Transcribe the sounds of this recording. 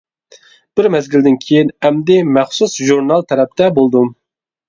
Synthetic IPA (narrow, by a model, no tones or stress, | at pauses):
b̥ɪɾmɛzɡʲild̪ɪnkʲʰejinɛmd̪ɪmɛχsusʒuɾnɑlˠt̪ʰɛɾɛp̚t̪ɛbolˠd̪um